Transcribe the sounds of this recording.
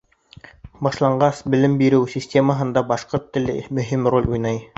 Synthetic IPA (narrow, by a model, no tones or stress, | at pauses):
bɑʃlˠɑɴɢɑsbɘ̆lɘmbiɾɘwsʲisʲtʲeməɦɤ̆nd̪ɑbɑʃqoɾt̪ːɘ̆lɘ̰mɵ̆ɦimrolʲʔujnɑj